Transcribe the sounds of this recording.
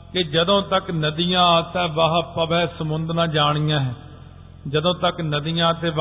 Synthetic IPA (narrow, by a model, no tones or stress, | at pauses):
kɪd͡ʒəd̪õːt̪əknəd̪ijãːt̪ɛ̃ːʋaɦpəbɛːsəmʊnd̪nãːd͡ʒaːɽ̃ijãːɦɛː | d͡ʒəd̪õːt̪əknəd̪ijãːt̪eːʋ